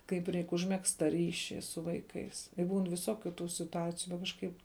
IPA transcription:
ˈkɐɪp ˈrʲɛɪk ʊʒʲmʲɛˈkst tɑː ˈrʲiːʃʲiː sʊ ˈʋɐɪˌkɐɪs ɪ ˈbuːn ʋʲɪˈsoːkʲʊ tuː sʲɪtʊˈɑːt͡sʲɪjʊ bʲɛt kɐʃˈkɐɪp

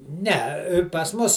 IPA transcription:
nʲɛ pɐs ˈmʊs

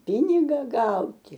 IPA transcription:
ˈpʲɪnʲɪɡɐ ˈɡɐʊtʲɪ

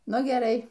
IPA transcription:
ˈnʊ ɡʲɛˈrɐɪ

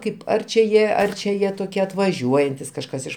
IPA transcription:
ˈkɐɪp ˈɐr t͡ʃʲɛ ˈjiɛ ˈɐr t͡ʃʲɛ ˈjiɛ toːˈkʲiɛ ɐtʋɐˈʒʲuɔjɛnʲtʲɪs kɐʃˈkɐs ˈɪʃ

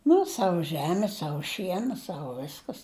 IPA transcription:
ˈnʊ ˈsɑːʋʊ ˈʒʲæːmʲɪ ˈsɑːʋʊ ˈʃʲiɛnɐ ˈsɑːʋʊ ˈʋʲɪskɐs

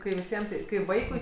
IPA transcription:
kɐɪ ʋʲɪˈsʲiɛm tɐɪ kɐɪ ˈʋɐɪkʊɪ

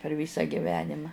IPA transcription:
pʲɛr ˈʋʲiːsɐ ɡʲɪˈʋʲæːnʲɪmɐ

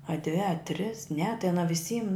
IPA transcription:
ɐ dʲʋʲɪ ɐ tʲrʲɪs nʲɛ tɐɪ ɐˈnɐ ʋʲɪˈsʲiːm

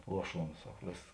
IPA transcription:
ˈlˠuɔˌʃuɔns ˈsɐk ˈʋʲeːs

